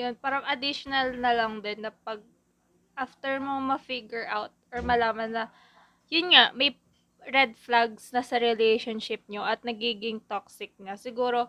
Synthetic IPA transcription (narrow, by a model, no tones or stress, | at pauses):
jonpaːɾɐŋʔɐd̪ɪʃonɐlnɐlɐŋd̪onːɐpɐɡ̚ | ʔaːft̪ɛɹmomɐfɪɡjɛɹʔawt̪̚ʔɔɹmɐlaːmɐnːɐ | jʊnŋaʔmɐj | ɹɛd̪̚flaɡsnɐsɐɾɛlejʃonʃɪp̚ɲoʔɐt̪̚nɐɡiːɡɪŋt̪oksɪk̚nɐsɪɡuːɾo̞